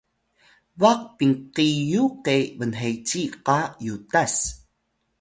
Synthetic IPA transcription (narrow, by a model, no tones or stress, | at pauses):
vaq̚piŋqijuqevənɦejt͡ɕiqajudas